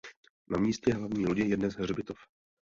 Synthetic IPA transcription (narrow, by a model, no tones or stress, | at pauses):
namiːscɛɦlavɲiːloɟɪjɛdnɛsɦrɛbɪt̪of